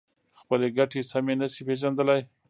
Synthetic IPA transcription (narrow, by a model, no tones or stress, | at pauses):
xpəleɡaʈesamenaʃipeʒand̪əlaj